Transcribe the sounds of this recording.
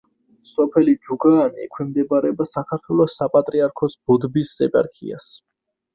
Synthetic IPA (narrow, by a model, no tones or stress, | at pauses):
sɔpʰɛlid͡ʒuɡaːniɛkʰwɛmd̪ɛbaɾɛbasakʰaɾt̪ʰwɛlˠɔsːapʼat̪ʼɾiaɾkʰɔsb̥ud̪bisːɛpʼa̰ɾkʰḭa̰s